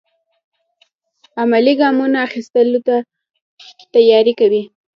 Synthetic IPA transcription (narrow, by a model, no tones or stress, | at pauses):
amaliɡɑmunaːxist̪əlot̪a | t̪ajɑɾikawi